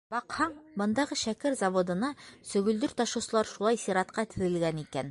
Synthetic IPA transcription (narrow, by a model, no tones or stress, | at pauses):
bɑqhɑɴbɤ̆nd̪ɑʁɤʃækɘɾzɑvod̪ɤ̆nɑsɵ̆ɡɵ̆ld̪ɵɾt̪ɑʃɤ̆sɤ̆lˠɑɾʃulˠɑjsiɾɑt̪qɑt̪ɘ̆ðɘ̆lɡænikæn